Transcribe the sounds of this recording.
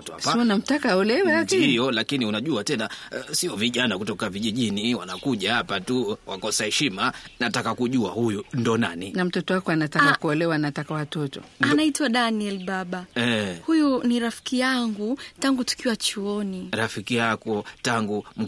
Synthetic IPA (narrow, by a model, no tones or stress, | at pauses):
tasiɔnam̩takaɔlɛwahijɔlakiniunaʄuatɛnasiɔviʄanakutɔkaviʄiʄiniwanakuʄahapatuwakɔsahɛʃimanatakakuʄua̰hujundɔnaninam̩tɔtɔwakɔanatakakuɔlɛwanatakawatɔtɔ̰anaitwaɗaniɛlɓaɓaɛhujuniɾafi̥kijaŋɡutaŋɡutu̥kiwat͡ʃuɔniɾafikijakɔtaŋɡum̩